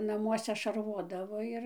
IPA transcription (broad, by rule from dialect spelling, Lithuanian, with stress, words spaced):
nɐˈmuɔsʲɛ ʃɐˈrʋoːdɐʋoː ˈɪr